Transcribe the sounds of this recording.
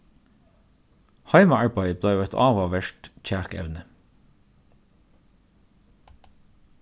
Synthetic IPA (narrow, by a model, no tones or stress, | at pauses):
hɑɪmɑɑɹbɑɪbleːjuːɛt̪ʰɑ̰ːʋɑʋæʃʈc͡çæːkɛ̰ʋnə